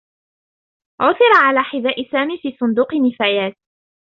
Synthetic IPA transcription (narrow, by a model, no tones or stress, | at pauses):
ʕʊθɪɾˤɑʕalaːħɪðaːʔɪsaːmiːfiːsˤʊnd̪uːqɨnːɪfaːjaːt̪̚